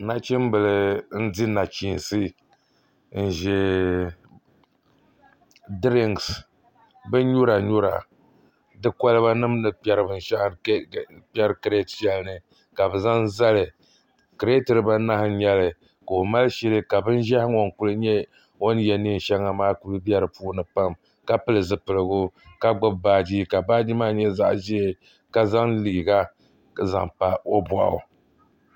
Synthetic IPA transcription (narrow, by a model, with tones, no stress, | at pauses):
na˦t͡ʃi˦m˦bɨ˨lɨ˨˦n̩˦di˦na˨t͡ʃi˨n˨sɨ˦ | n̩˨ʒɛ˨ | dɾi˦˨ŋɡs | bɨ˦ɲu˦ɾa˨ɲu˦ɾa̰˨ | dɨ˦kɔ˦lɨ˦ba˦nɨ˦mnɨ˨pɛ˦ɾɨ˨bɨ˨n˨ʃa˦ʔpɛ˦ɾɨ˦kɨ˨ɾe˦tpi˦ɛ˦lnɨ˨ | ka˨bɨ˨za˦n˦za˦lɨ˨ | kɨ˨ɾe˦tɨ˨ɾɨ˨ba˦na˦hɨ˨ɲɛ˦lɨ˨ | ko˨ma˦lɨ˦ʃɛ˦lɨ˦ka˨bɨ˦n˦ʒa˦hŋo˨ŋku˦lɨ˦ɲɛ˦ | wo˦n˦jɛ˨ni˦˨n̩˨ʃɛ˦ŋa˨maː˦ku˦lɨ˦bɛ˦ɾɨ˨puː˦nɨ˨pa˦m | ka˦pɨ˦lɨ˨zɨ˨pɨ˨lɨ˨ɡʊ˦ka˦ɡ͡bʊ˦bbaː˦d͡ʒi˦ka˨baː˦d͡ʒi˦maː˦ɲɛ˦za̰˦ʔʒi˦e˨ | ka˦za˦ŋliː˨ɡa˦ | za̰˨ŋpa˨o˦bɔ˨ʔ